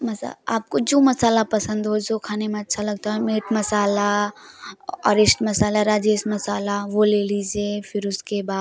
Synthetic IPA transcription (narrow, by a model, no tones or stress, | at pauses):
mɐsa̰aːp̚kod͡ʒoːmɐsaːlapɐsə̃nd̪ɦoːd͡ʒokʰaːnemẽɐtːʃʰalɐɡ̚t̪aːɦɛmeːʈmɐsaːla | ɔ̰ːɾɪsʈmɐsaːlaɾaːd͡ʒeːsmɐsaːlaʋoleːlid͡ʒefɪɾʊskebaːd̪